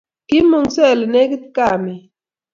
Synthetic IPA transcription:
ki˦mu˨ŋsɛ˦˨lne˦ki˦tka˦˨mi˨

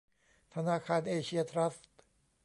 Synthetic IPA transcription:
t̪ʰa˧naː˧˩kʰaː˧nʔeː˧t͡ɕʰi˧˥ɐt̪ʰɾa˦˥ft̪̚

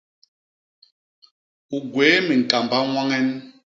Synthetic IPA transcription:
u˨ɡweː˨˦mi˨n̩˨ka˨mba˦ŋwa˦ŋɛ˦n

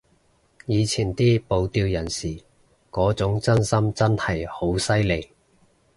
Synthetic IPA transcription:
jiː˨˧t͡sʰiː˨˩nt̪iː˥po˨wt̪iː˧wjɐ˨˩nsiː˨˩ | kɔː˨˥t͡sʊ˨˥ŋt͡sɐ˥nsɐ˥mt͡sɐ˥nhɐ˨jho˨˥wsɐ˥jle˨˧j

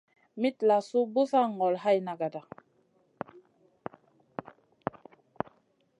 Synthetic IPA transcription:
mi˦tla˨su˦bu˦sa˦˨ŋ˨ɡɔ˨lha˦jna˨ɡa˨da˨

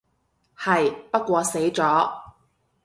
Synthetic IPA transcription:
hɐ˨jpɐ˥kʷɔː˧se˨˥jt͡sɔː˨˥

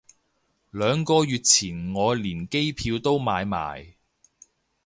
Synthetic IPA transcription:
lœː˨˧ŋkɔː˧jyː˨t̚t͡sʰiː˨˩nŋɔː˨˧liː˨˩nke˥jpʰiː˧wt̪o˥wmaː˨˧jma̰ː˨˩j

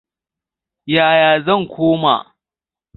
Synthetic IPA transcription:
jaː˨jaː˨zɐ˦˨ŋkʷʰoː˦ma̰˨

